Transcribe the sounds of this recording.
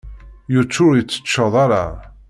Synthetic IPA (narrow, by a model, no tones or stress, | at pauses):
jət͡sːʊɾjət͡sːə̥t͡ʃːɑðˤɑɾˤɑ̰